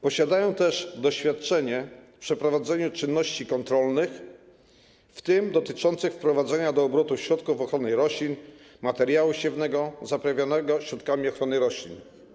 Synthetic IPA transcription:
pɔɕad̪ajɔ̃w̃t̪ɛʐd̪ɔɕfʲjat̪̚t͡ʂɛɲɛ | pʂɛpɾɔvad̪zɛɲut͡ʂɘnːɔɕt͡ɕikɔnt̪ɾɔlnɘx | ft̪ɘmd̪ɔt̪ɘt͡ʂɔnt̪sɘxfpɾɔvad̪zɛɲad̪ɔːbɾɔt̪uɕɾɔt̪kufɔxɾɔnɘɾɔɕlʲin | mat̪ɛɾʲjawuɕɛvnɛɡɔzapɾavʲjanɛɡɔɕɾɔt̪̚kamʲiɔxɾɔnɘɾɔɕlʲin

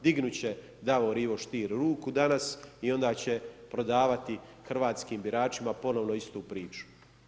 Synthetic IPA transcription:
d̪iɡnut͡ɕe̞ | d̪aʋoɾiʋo̞ʃt̪iːɾɾuːkud̪anasio̞nd̪aːt͡ɕe̞pɾo̞d̪aːʋat̪i | xrʋaːt̪skiːmbiɾaːt͡ʃimapo̞no̞ʋno̞ist̪uːpɾiːt͡ʃu̥

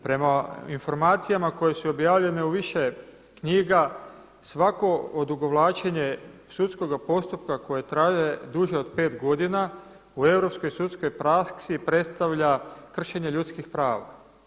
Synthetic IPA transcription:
pɾe̞mainfo̞ɾmaːt̪sijamako̞je̞suo̞bjaːʋʎe̞ne̞uʋiʃe̞ | kɲiːɡa | sʋako̞od̪uɡo̞ʋlˠaːt͡ʃeɲesut̪sko̞ɡapo̞st̪up̚kako̞jet̪ɾaːʒe̞d̪uʒeo̞d̪pe̞ːt̪ɡo̞d̪ina | ue̞ʋɾo̞psko̞jsut̪sko̞jpɾasksipɾe̞t̪st̪aʋʎakr̩ʃe̞ɲe̞ʎut̪skixpɾaːʋa̰

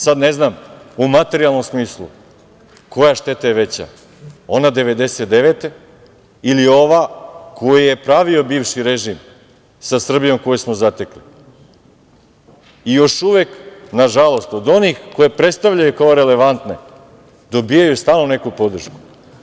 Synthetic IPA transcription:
sad̪ne̞znamumat̪e̞ɾialˠno̞msmiːslˠṵ | ko̞jaʃt̪e̞t̪ajeʋe̞t͡ɕa̰ | o̞nad̪e̞ʋe̞d̪e̞set̪d̪eʋet̪e | ilio̞ʋakʰo̞jije̞pɾaʋio̞biːʋʃiɾe̞ʒim | sasr̩bijo̞mko̞jismo̞zat̪ekli | ijo̞ʃuʋeknaʒalo̞st̪o̞d̪o̞nixko̞je̞pɾe̞t̪st̪aʋʎajukaoɾe̞le̞ʋant̪ne̞ | d̪o̞bijajust̪aːlˠnone̞kupo̞d̪r̩ʃku̥

